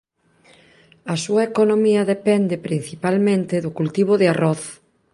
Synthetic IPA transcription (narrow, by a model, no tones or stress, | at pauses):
ɐsuɐekonomiɐðepɛnd̪epɾin̟θipalmẽnt̪ɪðʊkult̪iβ̞ʊðɪarɔθ